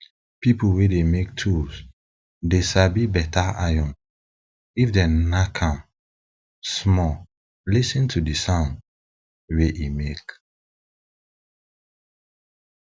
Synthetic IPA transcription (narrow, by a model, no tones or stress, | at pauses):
pipuwedemek̚tʰus | desabibɛtaajɔ̃n | ifdɛ̃nakʰãm | smɔ | lisĩntʰudisãnd | weʔimek